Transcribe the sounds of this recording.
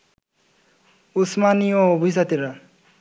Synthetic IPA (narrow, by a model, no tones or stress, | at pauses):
usmaniɔːbʱis̬at̪iɾa